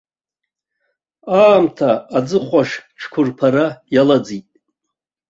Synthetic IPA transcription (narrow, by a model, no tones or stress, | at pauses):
aːmtʰaːd͡zɨχʷaʂʈ͡ʂʰkʷʰʊrpʰaɾajalad͡zitʼ